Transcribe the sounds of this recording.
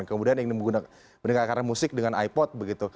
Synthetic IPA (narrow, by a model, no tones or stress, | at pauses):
nkəmudianiŋniəɡuna | bənəŋkakaɾamusɪk̚dəŋanaipɔt̪̚bəɡit̪u